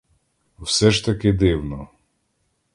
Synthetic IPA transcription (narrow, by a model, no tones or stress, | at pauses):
wsɛʒt̪ɐkɪd̪ɪwnɔ